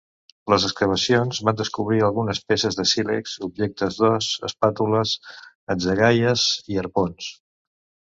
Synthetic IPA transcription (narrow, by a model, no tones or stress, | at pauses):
ləzəskəβ̞əsionzβand̪əskuβ̞ɾiəlˠɣunəspesəzðəsilḛksubʒek̚t̪əzðɔsə̰spat̪uləs | əd͡zəɣajəziəɾpons